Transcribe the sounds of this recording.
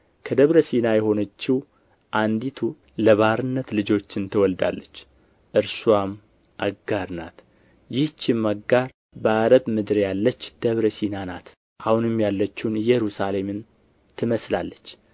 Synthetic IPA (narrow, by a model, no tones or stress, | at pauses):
kʰəd̪əβɾəsinajɛho̞nət͡ʃːɪw | ʔand̪it̪ʰu | ləβaɾɨnːət̪lɨd͡ʒo̞t͡ʃːɪnt̪ʰəwɔld̪a̰lːət͡ʃː | ʔɨɾsuam | ʔaɡaɾna̰t̪ | jɪht͡ʃːɪmːaɡaɾ | bəaɾəbmɨd̪ɾjalːət͡ʃːd̪̥əβɾəsinanat̪ | ʔahunɨmjalːət͡ʃːunɨjɛɾusale̞mɨn | t̪ʰɨməslalːət͡ʃː